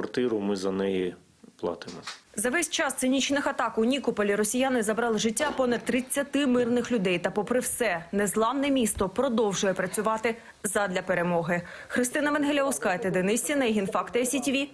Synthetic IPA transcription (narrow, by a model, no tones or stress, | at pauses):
ɐrt̪ɪɾʊmɪzɐnɛji | plˠɑ̰t̪ɪmɔzɐʋɛsʲt͡ʃɑst̪sɪnʲit͡ʃnɪxɐt̪ɑkʊnʲikɔpɔlʲiɾɔsʲijanɪzɐbɾɑlˠɪʒɪtʲːapɔnɐd̪̚t̪ɾɪt͡sʲːɐt̪ɪmɪrnɪxlʲʊd̪ɛjt̪ɐpɔpɾɪwsɛnezlˠɑʋnɛmʲist̪ɔpɾɔd̪ɔwʒʊjɛpɾɐt͡sʲʊʋɑt̪ɪ | zɐd̪ʲlʲɐpeɾemɔɦɪxɾɪst̪ɪnɐʋenɦelʲɐʊskɑjt̪ɛd̪ɪnɪsʲtʲinɐjɦinfɑkt̪esʲitʲiʋʲi